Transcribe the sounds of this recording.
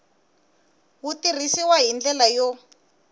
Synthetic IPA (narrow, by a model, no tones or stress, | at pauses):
wutir̤isiwaɦind͡ɮɛlajɔ